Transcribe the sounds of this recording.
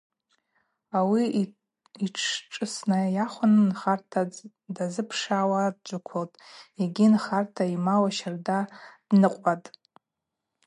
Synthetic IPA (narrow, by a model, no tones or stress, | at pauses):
awi | iʈ͡ʂʰʈ͡ʂʼɨsnajaχʷʊnnχartʰa | dazɨpʰʂawad̚d͡ʒʷʼʊkʷʰoltʼeɡʲinχartʰaimawaʃardadnɨqʷʼatʼ